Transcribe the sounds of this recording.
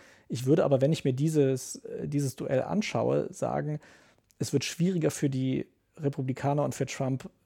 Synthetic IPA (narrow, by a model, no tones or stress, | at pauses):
ʔɪçv̥ʏɐdəʔa̰ːbɐvɛnɪçmiːɐdiːzəsdiːzəsd̥uʔɛ̰lʔa̰nʃa̰ʊə̰za̰ːɡŋ̩ | ʔɛsv̥ɪɐtʃv̥iːʁɪɡɐfyːɐdiː | ʁepʰublikʰaːnɐʊntfyːɐtʁ̥amp